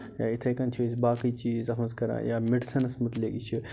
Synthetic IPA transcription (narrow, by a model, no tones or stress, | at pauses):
ja̰ːit̪ʰɐjkɐnt͡ʃʰuisbaːkit͡ʃiːzɐfʰɐ̃nzkɐɾã̰ːjaːmiɖsɐnɐsmut̪leːkit͡ʃʰi